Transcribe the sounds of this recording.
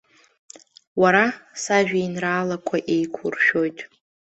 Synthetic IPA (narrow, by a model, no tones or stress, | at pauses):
waɾasaʒᶣajnraːlakʷʰaʔejkʷʰʊrʃᶣo̞jtʼ